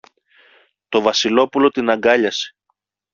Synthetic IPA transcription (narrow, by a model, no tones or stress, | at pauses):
t̪o̞vɐsilo̞pulo̞t̪inɐɡɐʎɐse̥